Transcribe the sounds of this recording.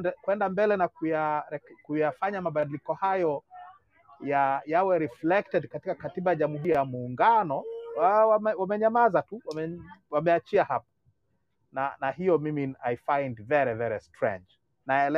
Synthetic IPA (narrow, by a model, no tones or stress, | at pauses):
kwɛndambɛlɛnakujaɛkujafaɲamaɓaɗilikɔhajɔ | jajawɛɾiflɛk̚tɛdkatikakatiɓajaʄamuhuɾjjamuːŋɡanɔwamɛwamɛɲamazatuwamɛwamɛat͡ʃiahap̚ḁ | nanahijɔmiminaifajndvɛɾivɛɾistɹɛ̰̃nd͡ʒ | naɛlɛ